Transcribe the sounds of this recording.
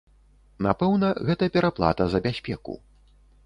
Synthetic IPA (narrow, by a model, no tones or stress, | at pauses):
napɛwnɐɣɛt̪ɐpʲɛɾaplˠa̰t̪ɐzɐbʲasʲpʲɛkṵ